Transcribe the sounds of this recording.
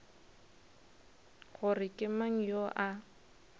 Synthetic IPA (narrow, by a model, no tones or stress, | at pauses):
ɣʊrɪkʼɪmaŋ̩joʔa